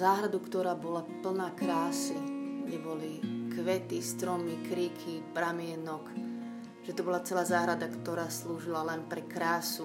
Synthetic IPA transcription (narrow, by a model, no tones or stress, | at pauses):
zaːɦɾad̪ukt̪ɔɾaːbɔlapl̩naːkɾaːsuɲɛbɔlikʋɛt̪ist̪ɾɔmikɾiːkʰipɾamɪɛnɔk | ʒ̥ɛt̪ɔbɔlat͡sɛlaːzaːɦɾad̪akt̪ɔɾaːsluːʒilalɛnpɾɛkɾaːsu